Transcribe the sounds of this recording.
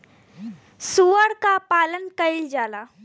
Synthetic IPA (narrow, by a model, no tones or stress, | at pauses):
suːəɾkapaːlənkəɪld͡ʒaːlaː